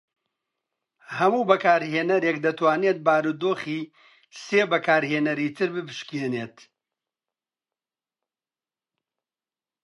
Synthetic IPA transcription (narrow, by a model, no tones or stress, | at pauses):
hɐmuːbɐkaːɾɦeːnɐɾeːk̚d̪ɐt̪ʰwaːnet̪̚baːɾud̪oːχiː | seːbɐkaːɾɦeːnɐɾiːt̪ʰɨɾbɨpɨʃkeːneːt̪